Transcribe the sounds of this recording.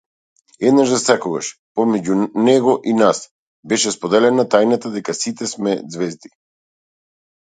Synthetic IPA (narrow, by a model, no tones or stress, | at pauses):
ɛd̪naʒd̪asakɔɡa̰ʃpɔmɛɟunɛɡɔʔinas | bɛʃɛspɔd̪ɛlɛnat̪ajnat̪ad̪ɛkasit̪ɛsmɛzvɛzd̪i